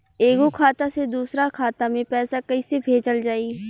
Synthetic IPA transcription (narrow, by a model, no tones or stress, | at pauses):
eːɡokʰaːt̪ased̪uːsɾakʰaːt̪amẽpɛːsakɐisebʱeːd͡ʒəld͡ʒaːi